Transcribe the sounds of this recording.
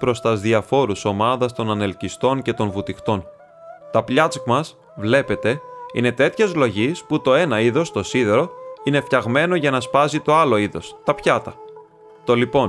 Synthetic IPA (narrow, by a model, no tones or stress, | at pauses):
pɾo̞st̪ɐzðiɐfo̞ɾuso̞mɐðɐst̪o̞nɐne̞lcist̪o̞ɲce̞t̪o̞nvut̪ixt̪o̞n | t̪ɐpʎɐt͡skmɐs | vle̞pe̞t̪e̞ḭne̞t̪e̞t̪çezlo̞ʝisput̪o̞e̞nɐiðo̞st̪o̞siðe̞ɾo̞ine̞fçɐɣme̞no̞ʝɐnɐspɐzit̪o̞ɐlo̞iðo̞st̪ɐpçɐt̪ɐ | t̪o̞lipo̞n